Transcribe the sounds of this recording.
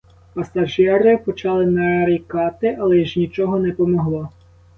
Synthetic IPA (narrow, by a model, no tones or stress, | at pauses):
pɐsɐʒɛɾɪpɔt͡ʃɑlˠɪnɐɾʲikɑt̪ɪʔɐlˠɛʒnʲit͡ʃɔɦɔnɛpɔmɔɦlˠɔ